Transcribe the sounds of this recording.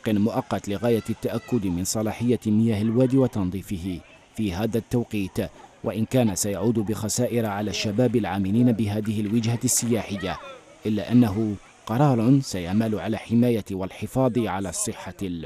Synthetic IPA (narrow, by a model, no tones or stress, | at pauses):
qɪnmʊʔɑqːɑt̪lɪɣaːjat̪ːaʔakːʊd̪mɪnsˤɑlɑːħɪjːamɪjaːhalwaːd̪iwɑt̪ɑnðˤiːfɪhɪ | fiːɦaːðat̪ːawqiːt̪wʔaʔɪnkaːnasajaʕuːd̪bɪxasaːʔɪɾʕalaːʃːabaːbɪlʕaːmɪliːnabɪɦaːðɪhɪlwɪd͡ʒhasːɪjaːħɪjːa | ʔɪlːaːʔanːaɦʊ | qɑɾˤɑːɾˤsajaʕmalʊʕalaːħɪmaːjawalħɪfɑːðˤɨʕalaːsˤːɨħːa